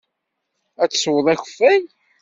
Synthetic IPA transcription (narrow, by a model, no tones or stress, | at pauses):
æt͡sːswəðˤixəfːæj